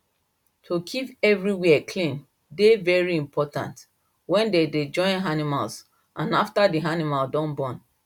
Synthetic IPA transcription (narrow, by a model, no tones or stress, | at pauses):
tʰokʰipɛvɹiwɛɛkʰlĩn | devɛɹiĩmpʰɔtã̰nt | wɛ̃ndeded͡ʒɔ̃ɪ̃nɦanimals | ʔãnaftadianimaldɔ̃nbɔ̃n